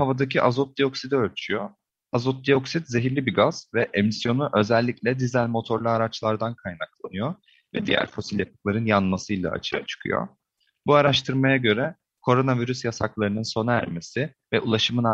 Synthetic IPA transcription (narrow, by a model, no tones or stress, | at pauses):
havad̪acʰiʔazot̪̚d̪ijo̞ksid̪ø̞lʲt͡ʃʰyjo | azot̪̚d̪io̞ksit̪ze̞ɦiɾlʲibiɡaz̥vɛʔemisjo̞nuʔø̞zɛlʲːiclʲɛd̪izælʲmo̞t̪ʰo̞ɾlˠuaɾat͡ʃlˠaɾd̪ankʰajnaklˠanɯjo̞ | vɛd̪ijæ̰ɾfo̞silʲjapɯ̥klˠaɾɯnjanmasɯjlˠa̰a̰t͡ʃʰɯja̰t͡ʃʰɯ̥kʰɯ̰jo̰ | buaɾaʃt̪ʰɯɾmajaɟø̞ɾɛ | kʰo̞ɾo̞naviɾysjasaklˠaɾɯnɯnso̞naæ̰ɾme̞sɪ | vɛʔulˠaʃɯmɯna